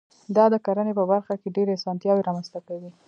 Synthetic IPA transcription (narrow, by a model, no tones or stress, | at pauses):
d̪ɑd̪əkaɾənepəbaɾxakeɖeɾeasɑnt̪jɑweɾɑmanzt̪akawi